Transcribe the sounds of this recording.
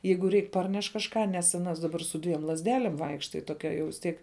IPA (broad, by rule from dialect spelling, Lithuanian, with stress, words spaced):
ˈjɛɪɡʊ ˈrʲɛɪk ˈpɐrʲnʲɛʃ kɐʃˈkɑː nʲɛs ɐˈnɐs dɐˈbɐr sʊ ˈdʲʋʲiɛm lˠɐzʲˈdʲæːlʲeːm ˈʋɐɪkʃtɐ jɪ toːˈkʲɛ jɛʊ ʋʲɪs ˈtʲiɛk